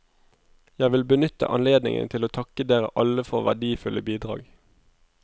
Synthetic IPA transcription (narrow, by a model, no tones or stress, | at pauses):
jæʋɪlbənʏt̪ə̰ʔɑnleːd̪nɪ̰ŋʔə̰nt̪ʰɪloːt̪ʰɑkəd̪eːʁə̰ʔɑləfɔʁʋæ̰ʁɖ̪iːfʉlʔəbiːd̪ʁɑ̰ːɡ